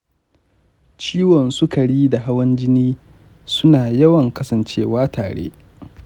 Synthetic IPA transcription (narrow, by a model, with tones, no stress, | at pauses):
t͡ʃiː˦wɔ˨nsʊ˦kɐ˨ɽiː˦da˨ɦa˦wɐ˦nd͡ʒɪ˦niː˦ | sʊ˦naː˨jɐ˦wɐ˨ŋkɐ˦sɐ˨nt͡ʃeː˦waː˦tʰaː˨ɽḛ˦